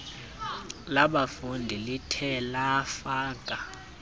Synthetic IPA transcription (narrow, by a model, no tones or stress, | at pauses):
laɓafundʱilitʰɛlaːfaːkʼa